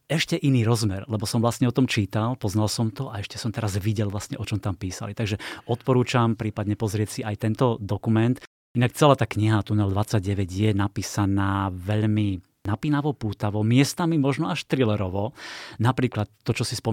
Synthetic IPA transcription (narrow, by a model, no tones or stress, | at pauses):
ɛʃcɛʔiniːɾɔzmɛɾlɛbɔsɔmʋlasɲɛɔt̪ɔmt͡ʃiːt̪alpɔznalsɔmt̪ɔʔaɛʃcɛsɔmt̪ɛɾazʋiɟɛlʋlasɲɛʔɔt͡ʃɔmt̪ampiːsa̰lit̪aɡʒɛɔt̪pɔɾuːt͡ʃampɾiːpad̪ɲɛpɔzɾɪɛsiʔajt̪ɛnt̪ɔd̪ɔkumɛnt̪ | ʔinak̚t͡sɛlaːt̪aːkɲiɦat̪unɛld̪ʋat͡sːaɟ̚ɟɛʋɛɟjɛnapiːsanaːʋɛʎmi | napiːnaʋɔpuːt̪aʋɔmɪɛst̪amimɔʒnɔaʃt̪ɾilɛɾɔʋɔnapɾiːklat̪ːɔt͡ʃɔsispɔ